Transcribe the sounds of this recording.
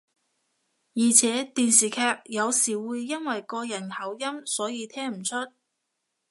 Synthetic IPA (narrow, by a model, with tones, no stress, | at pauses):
jiː˨˩t͡sʰɛː˨˥t̪iː˨nsiː˨kʰɛː˧k̚jɐ˨˧wsiː˨˩wuː˨˧jːɐ˥nwɐ˨jkɔː˧jɐ˨˩nhɐ˨˩wjɐ˥msɔː˨˥jiː˧t̪ʰɛː˥ŋm̩˨˩t͡ʃʰɵ˥t̚